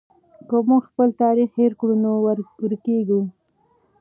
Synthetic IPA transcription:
kəmuɡxpəlt̪ɑɾixheɾkɽunowɾɾkeɡu

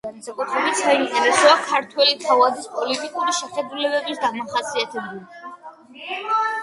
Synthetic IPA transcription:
amsakʼut̪ʰɾɛbit̪saint̪ʼɛɾɛsɔakʰaɾt̪ʰwɛlit̪ʰavad̪ispʼɔlit̪ʼikʼuɾiʃɛχɛd̪ulɛbɛbisɡamaχasiat̪ʰɛbuli

